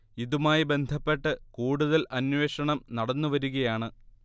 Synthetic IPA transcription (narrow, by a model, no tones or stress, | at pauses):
iðumaːjibe̞nd̪ʱɐpːe̞ʈːɨkuːɽuðɐlʔɐnweːʂɐɳɐmnɐɽɐnːuʋɐɾuɣɐjaːɳɨ